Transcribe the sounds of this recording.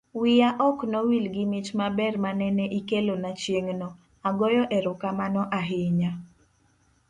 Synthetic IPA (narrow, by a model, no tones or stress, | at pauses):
wɪjaʔɔknɔwilɡɪmɪt͡ʃmabɛrmanɛneʔikelonat͡ʃjeŋnɔ | aɡɔjɔʔɛɾʊkamanɔʔaɦɪɲa